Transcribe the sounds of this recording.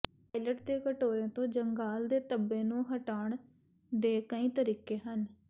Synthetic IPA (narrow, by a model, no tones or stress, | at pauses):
paːɪləʈd̪eːkəʈoːɾẽːt̪õːd͡ʒəŋɡaːld̪eːt̪əbːẽːnũːɦəʈaːɳ | d̪eːkəĩːt̪əɾiːkeːɦən